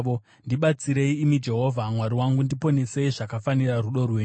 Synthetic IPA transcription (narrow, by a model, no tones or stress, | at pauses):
o | ndiɓat͡siɾe̞iːmid͡ʒe̞ɦo̞vʱamwaɾiwaŋɡundipo̞ne̞se̞iʐakafaniraruɗo̞rweɲ